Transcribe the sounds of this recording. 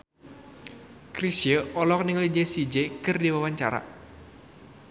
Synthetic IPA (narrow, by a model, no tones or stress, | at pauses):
kɾisjəɔlɔk̚nɪŋlid͡ʒesid͡ʒekərdiwawaɲt͡ʃa̰ɾa̰